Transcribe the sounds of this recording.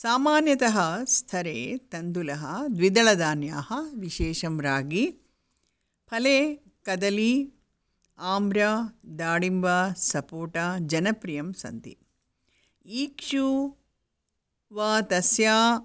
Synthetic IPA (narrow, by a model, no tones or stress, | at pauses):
saːmaːnjɐt̪ɐɦɐst̪ʰɐɾeːt̪ɐnd̪ulɐɦɐd̪ʋid̪ɐɭɐd̪aːnjaːhɐʋiʃeːʃɐmɾaːɡi | pʰɐleː | kɐd̪ɐli | aːmbɾɐd̪aːɽimbasɐpoːʈad͡ʒɐnɐpɾijɐmsɐ̰nt̪ḭ | iːkʂu | ʋaːt̪ɐsjaː